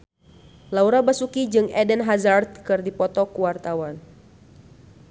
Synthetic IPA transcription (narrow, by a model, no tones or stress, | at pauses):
lauɾabasukid͡ʒɨŋɛdɛnɦazart̪̚kɨrdipɔt̪ɔkuwart̪awan